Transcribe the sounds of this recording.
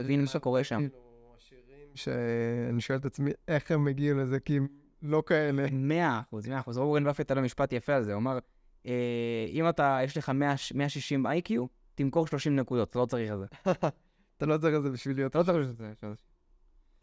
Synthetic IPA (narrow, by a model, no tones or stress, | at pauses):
vinaʃako̞ʁeʃamo | aʃiʁimʃeaniʃo̞elet̪at͡smie̞χemːeɡialezekim | lo̞kaenemeaχuzmeaχuzoɡenbafet̪alomiʃpat̪jafealzeoamaʁ | eimat̪ajeʃle̞χameaʃmeaʃiʃimbajkju | t̪imko̞ʁʃlo̞ʃimnekud̪o̞t̪at̪alot͡saʁiχelze | at̪alo̞t͡saʁiχelzebiʃvilijot̪alt͡saʁʃuzʃeze